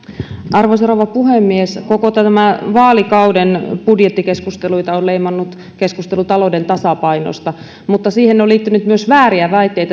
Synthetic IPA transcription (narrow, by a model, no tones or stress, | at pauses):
ʔɑrʋoseroʋɑpuhemːieskokot̪ææmæʋɑːlikɑudenpudjet̪ːikeskust̪eluit̪ɑoleimɑnːut̪ | keskust̪elut̪ɑlodent̪ɑsɑpɑino̰st̪ɑ | mut̪ːɑsiːhenːeoliːt̪ːynyt̪myøsʋæːriæʋæit̪ːeit̪æ